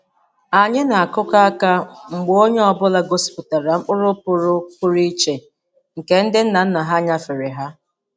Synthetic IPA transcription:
a˨ɲɪ˦na˨a˨kʊ˦ka˦a˦ka˦ŋ͡m̩˨ɡ͡bo˦ɲe˦ɔ˨bʊ˦la˦ɡo˦spʊ˨ta˨ɾa˨ŋ͡m̩˦k͡pʊ˦ɾʊ˦pʊ˨ɾʊ˦kʊ˦ɾi˦t͡ʃe˨ | ŋ̩˨ke˨n̩˦dɪ˦n̩˦na˨n̩˦na˨ɦa˦ɲa˦fɪ˨ɾɪ˨ɦa˦

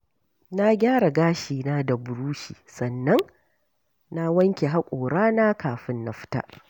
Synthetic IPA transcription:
na˦ɡʲaː˦ɽa˨ɡaː˦ʃiː˨naː˦da˨bʊ˨ɽuː˦ʃiː˨sɐ˨nːɐ˦ŋ | na˦wɐ˦ŋkʲe˨ɦa˦kʷʼoː˨ɽaː˦na˦kaː˨ɸɪ˦nːa˨ɸɪ̥˦ta̰ː˦ʔ

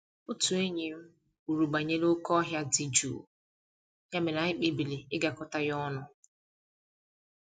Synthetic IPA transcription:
ʊ˦tu˨e˦ɲe˨m̩˦ | u˨ɾu˨ɡ͡ba˨ɲe˦lʊ˦kɔ˦ɦja˦di˨d͡ʒṵ˨ | ja˦me˨na˨ɪ˦k͡pe˦bi˨le˨ɪ˦ɡa˨kʊ˦ta˦jɔ˦nʊ˨

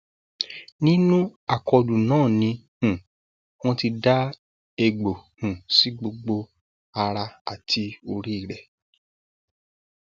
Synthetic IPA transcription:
nĩ˦nũ˦a˦˨kɔ˧dũ˨nãː˦˨nĩ˧ | hũ˨ | w̃ɔ̃˦ti˧da˦ | e˧ɡ͡bo˨hũ˨si˨˦ɡ͡bo˧ɡ͡bo˧ | a˧ɾa˧a˨tʰi˨˦o˧ɾi˦i˦˨ɾɛ˨

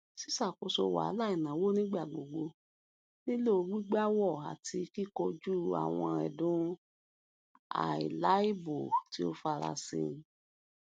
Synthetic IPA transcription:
si˦sa˦˨ko˨˧so˧˨wa̰˨˦la˦i˨nã˨˦wo˦nĩ˦ɡ͡ba˦˨ɡ͡bo˨ɡ͡bo˧ | nĩ˦lo˦o˧wi˦ɡ͡ba˦wɔ˦˨a̰˨ti˧ki˦˨ko˧d͡ʒu˦a̰˦˨w̃ɔ̃˧ɛ̰˨dũ˦ | a̰˨ḭ˨la˨˦i˦bu˨ti˦o˦fa˧ɾa̰˧sḭ̃˧˦

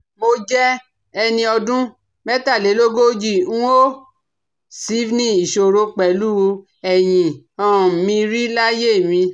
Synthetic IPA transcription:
mo˧d͡ʒɛ˦ | ɛ˧nĩ˧ɔ˧dũ˦ | mɛ˦ta˦˨le˨˦lo˦ɡo˦d͡ʒĩ˦˨˦o˦ | si˨˦vnĩ˦˨i˨ʃo˨ɾo˧k͡pɛ˨lu˦˧ | ɛ˨j̃ĩ˨ | ɔ̃˦˨mĩ˧ɾi˦la˦je˦˨mĩ˧

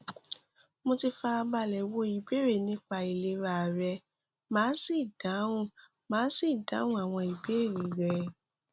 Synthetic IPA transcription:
mo˧ti˧fa˧a˧ba˧˨lɛ˨wo˧i˨be˦ɾe˦˨nĩ˦k͡pa˧i˨le˧ɾa˧˨ɾɛ˧ | mãː˨˦si˦˨d̥ã˨˦ũ˦˨ | mãː˨˦si˦˨dã˨˦wũ˦a˨w̃ɔ̃˧i˨be˨˦e˦˨ɾĩ˨ɾɛ˧

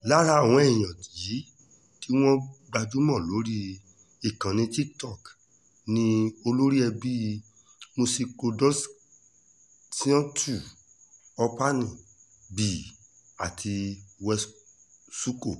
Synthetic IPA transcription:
la˦la˦˨w̃ɔ̃˨˦ɛ˦˨j̃ã˨tji˨˦ | ti˦w̃ɔ̃˦ɡ͡ba˧d͡ʒu˦mɔ̃˦˨lo˨˦ɾi˦ | i˦˨kã˨nĩ˧ti˦ktɔ˦˨k | nĩ˧o˧lo˦ɾi˦ɛ˧bi˦ | mo˧si˧ko˧dɔ˦s | si˦ɔ̃˦tʰu˨ | ɔ˧pa˦nĩ˨ | bi˨ | a˨tʰi˧wɛ˧˦s | su˦ko˦˨

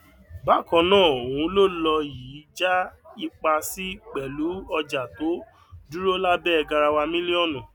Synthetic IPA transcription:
ba˦˨kɔ̃˧nãː˦˨o˨w̃ũ˧˦lo˦˨lɔ˧jiː˨˦d͡ʒa˦i˧k͡pa˧si˦k͡pɛ˨lu˨˦ɔ˧d͡ʒa˨to˨˦ | du˦ɾo˦la˦bɛ˦ɛ˧ɡa˧ɾa˧wa˧mĩ˦li˦ɔ˦˨nũ˨

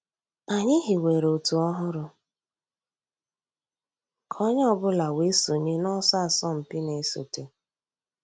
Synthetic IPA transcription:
a˨ɲɪ˦ɦɪ˨we˨ɾo˨tu˨ɔ˦ɦʊ˦ɾʊ˨ | kʰɔ˦ɲ˦ɔ˦bʊ˦la˨we˦so˨ɲɪ˦nɔ˦sa˦a˨sɔ˦m̩˨pɪ˦ne˨˦so̰˨te˨

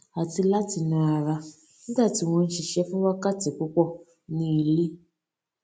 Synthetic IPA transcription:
ɦa˨ti˦la˦ti˨na˨ɾa˨ | n̩˦da˦˨ti˨wɔ˦n̩˦ʃi˨ʃe˦fu˦wa˦ka˦ti˨kʷu˦kʷɔ˦ | ni˨li˦

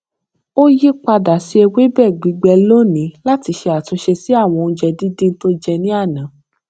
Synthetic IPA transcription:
o˦ji˦k͡pa˧da˨si˧˦e˧we˦bɛ˦˨ɡ͡bi˨˦ɡ͡bɛ˧lo˦nĩ˨˦la˦ti˧ʃe˧a˨tu˨˧ʃe˧si˨˦a˦˨w̃ɔ̃˧n̩ũ˧d͡ʒɛ˧di˦dĩ˦n̩˦to˦d͡ʒɛ˧nĩ˦a˦˨nã˨˦

